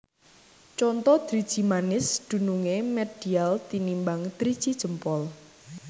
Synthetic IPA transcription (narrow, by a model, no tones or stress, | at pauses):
t͡ʃɔnt̪ɔd̪̥ɾid̥ʒ̥i̤manɪsd̪̥ṳnuŋemɛd̥ialt̪inimbaŋd̪̥ɾid̥ʒ̥id̥ʒ̥ə̤mpɔl